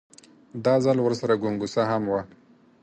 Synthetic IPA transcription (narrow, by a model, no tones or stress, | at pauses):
d̪ɑzalwəɾsaɾaɡuŋɡusaɦamwa